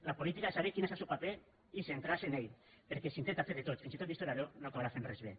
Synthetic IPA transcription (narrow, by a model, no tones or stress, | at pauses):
lapolit̪ikasaβekinasasupape | isent̪ɾasenejt̪peɾkesint̪ent̪afeɾðet̪ot̪finsit̪ot̪ist̪oɾaɾonokaβɾafenrezβe